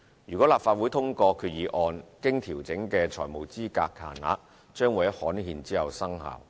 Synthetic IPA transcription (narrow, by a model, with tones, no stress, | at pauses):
jyː˨kɔː˨˥laː˨p̚faː˧t̚wu˨˥jt̪ʰʊ˥ŋkɔː˧kʰyː˧t̚jiː˨˧ʔɔː˧nkɪ˥ŋt̪ʰiː˨˩wt͡sɪ˨˥ŋkɛː˧t͡ʃʰɔː˨˩jmo˨˩wt͡siː˥ka̰ː˧kʰa̰ː˨˩na̰ː˨˧k̚ | t͡ʃœː˥ŋwa˨˩jɐ˥t̚hɔː˨˥nhiː˧nt͡siː˥hɐ˨wsɐ˥ŋha̰ː˨˩w